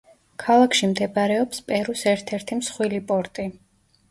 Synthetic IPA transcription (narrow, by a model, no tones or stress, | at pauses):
kʰalˠakʰʃimd̪ɛbaɾɛɔpspʼɛɾusɛɾt̪ʰɛɾt̪ʰimsχwilipʼɔɾt̪ʼi